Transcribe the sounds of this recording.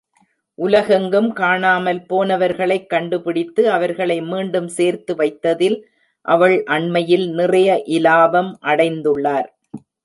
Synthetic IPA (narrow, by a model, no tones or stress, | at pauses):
ʔʊlɐɣɐŋɡɯmkaːɳaːmɐlpoːnɐʋɐɾɣɐɭɐɪkːɐɳɖɯpɪɽɪt̪ːɯɐʋɐɾɣɐɭɐɪmiːɳɖɯmseːɾt̪ɯʋɐɪt̪ːɐðɪl | ʔɐʋɐɭʔɐɳmɐjɪlnɪrɐjɐʔɪlaːbɐmʔɐɽɐɪnd̪ɯɭːaːɾ